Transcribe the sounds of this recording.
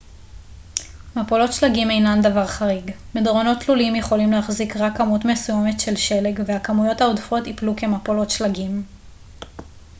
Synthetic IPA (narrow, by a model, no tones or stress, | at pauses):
mapolo̞tʃlaɡime̞jnandavaʁχaʁiɡ | medʁo̞no̞tːlulimjeχo̞limleaχzikʁakːamutme̞suje̞me̞tʃe̞lʃe̞leɡveakamujo̞thaodfo̞tipluke̞mapolo̞tʃlaɡim